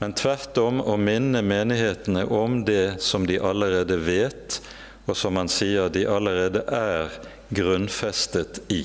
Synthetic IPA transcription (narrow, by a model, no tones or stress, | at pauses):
mɛnt̪ʰʋæʁt̪ɔmoːmɪnːəmeːnɪheːt̪nəʔɔmd̪ɛsɔmd̪iʔɑləʁeːd̪əʋeːt̪ | osɔmhɑnsiːəʁd̪iʔɑləʁeːd̪əʔæːʁ | ɡʁʉnfɛst̪ət̪iː